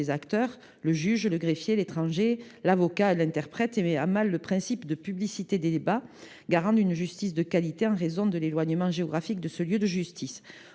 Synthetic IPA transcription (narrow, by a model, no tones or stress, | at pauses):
ezakt̪œʁ | ləʒyʒləɡʁefjelet̪χɑ̃ʒelavɔkalɛ̃t̪ɛʁpχɛt̪emɛa̰malːəpχɛ̃sipd̪əpyblisit̪ed̪ed̪eba | ɡaʁɑ̃d̪ynʒyst̪is̬d̪əkalit̪eɑ̃ʁezɔ̃d̪əlelwaɲəmɑ̃ʒeɔɡʁafik̚d̪əsəljød̪əʒyst̪ʰis